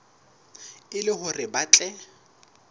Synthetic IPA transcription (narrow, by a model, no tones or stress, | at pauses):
ɪlɪhʊrɪbat͡ɬʼɛ